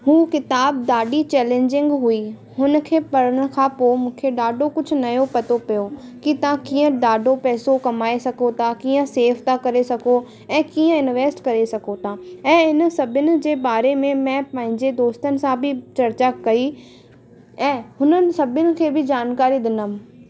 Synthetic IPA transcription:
ɦuːkɪt̪aːb̚d̪aːɖit͡ɕɛːlẽːɲd͡ʑɪ̃ŋɡɦui | ɦʊn̆kʰeːpɐɾəɽ̃kʰãpomũːkʰeɖaːɖʱokʊd͡ʑʱʊ̆nɐjopɐt̪opijokit̪ɐʋãkiːə̃ɖaːɖʱopɛːsokɐmaːesɐkʰot̪ʰakiːə̃seːft̪ʰakɐɾesɐko | ɛ̃ːkiːə̃ɪnʋeːsʈkɐɾesɐkʰot̪ʰãːɛ̃ːɪnsɐbʱɪnɪ̆d͡ʑeːbaːɾemẽmɛ̃ːpɐ̃ɦɪ̃ɲd͡ʑed̪oːst̪ənɪ̆sãbʱɪt͡ɕɐɾt͡ɕakɐi | ɛ̃ːɦʊnənɪ̆sɐbʱɪnɪ̆kʰeːbɪd͡ʑaːnkaːɾid̪ɪnəm

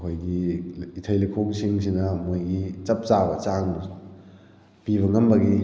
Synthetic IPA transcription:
kʰojɡiitʰɐjlikʰoksiŋs̬inɐmojɡit͡ʃɐp̚t͡ʃabɐt͡ʃaŋdɐ | pibβɐŋɐmbɐɡi

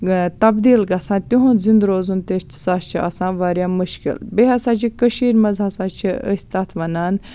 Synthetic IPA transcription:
t̪ɐbd̪iːlɡɐsãːt̪ʲuɦõːzĩnd̪ɾoːzunt̪est̪ʰsaːst͡ʃʰia̰sãːʋaːɾʲjaːmuʃkḭlbeɦɐsaːt͡ʃʰikəʃiːɾmɐzaːsaːt͡ʃʰiə̰sʲt̪at̪ʰʋɐnaːn

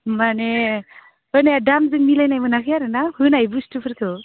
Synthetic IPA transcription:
mane | ɯneadamzɯŋmilajnajmɯnakʰɯjaɾɯnahɯnajbustɯpʰɯɾt̪ʰɯ

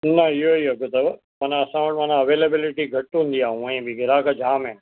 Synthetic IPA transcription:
nɐɪɦoiɦɐɡʊt̪ɐ | mɐnaɐsãʋɐʈmɐ̃ːnãɐʋeːlebɪlɪʈiɡʱɐʈːũːnd̪iaːɦũɐẽbɪɡʱɪɾaːkʰad͡ʑʱaːmẽː

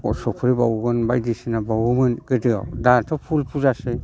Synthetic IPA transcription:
ɔ̰sɔpʰɾibawɡɯnbajdisinabawɯmɯnɡɯdɯa̰wdatʰɔpʰulpʰuzasɯ

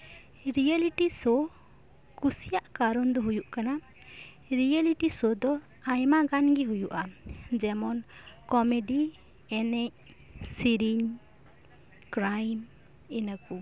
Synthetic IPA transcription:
ɾijaliʈisɔ | kusijaʔkaɾɔnd̪ɔɦujuʔkana | ɾialiʈisɔd̪ɔ | ajmaɡanɡiɦujuʔad͡ʒɛmɔnkɔmeɖi | ɛnɛɲ | siɾiɲ | kɾajm | ɛnaku

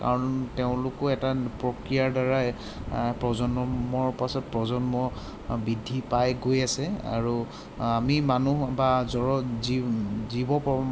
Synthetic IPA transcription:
ka̰ɹɔnteʊ̃lʊkɔɛtapɹɔkɹijaɹdaɹa | pɹɔzɔnmɔɹpasɔt̚pɹɔzɔnmɔ | bidʱːipajɡojasɛa̰ɹu | amimanubazɔɹɔizibɔpɔ

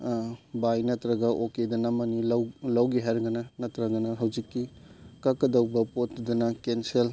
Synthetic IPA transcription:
bajnɐtɾɐɡɐʔokedɐnɐmːɐnilɐwlɐwɡiɦajɾɡɐnɐnɐtɾɐɡɐnɐɦɐwd͡ʒikːikɐkːɐdɐwbɐpotdudɐnɐkensel

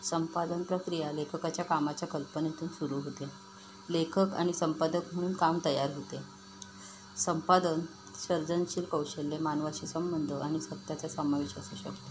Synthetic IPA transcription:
səmpad̪ənpɾəkɾijalekʰəkat͡ɕjakamat͡ɕjakəlpənet̪ʰuːnsuɾuːɦot̪e | lekʰəka̰ɽ̃isəmpad̪əkm̤əɽ̃uːnkamt̪əjaɾɦot̪e | səmpad̪ən | ɕəɾd͡zənɕiːlkəwɕelːemanʋaɕisəmbənd̪ʱəʔaɽ̃isət̪jat͡ɕjasəmaʋiɕə̰suːɕə̰kt̪o

